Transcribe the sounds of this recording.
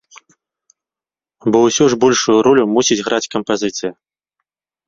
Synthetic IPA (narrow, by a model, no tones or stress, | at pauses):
bɔwsʲɔʐbɔlʲʂujuɾɔlʲumusʲid͡zʲɣɾʔat͡sʲkɐmpazʲɨt̪sɨji